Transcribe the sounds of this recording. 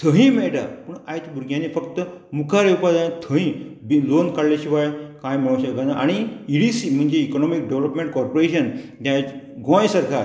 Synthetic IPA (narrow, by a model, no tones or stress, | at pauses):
t̪ʰəɦĩmeɭɖa̰pəɳajt̪buɾɡʱjãnefəkt̪əmukʰaɾeupad̪ajãt̪ʰəɦĩbilonkaɽlaɕiʋajkãjm̤əɭ̃õɕəkanaʔaɽ̃iiɽisim̤əɳd͡ʑeːkɔnɔmikɖeʋləpmẽɳʈ̚kɔɾpoɾeɕənt̪jã | ɡõjsaɾkʰa